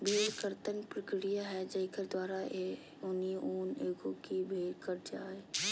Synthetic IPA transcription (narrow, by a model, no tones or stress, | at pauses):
bʱeːlkəɾt̪ənpɾəkɾijaɦɛd͡ʒɐɪkəɾd̪waːɾae | ʊnioːneːɡõkibʱeːlkəɾd͡ʒaːe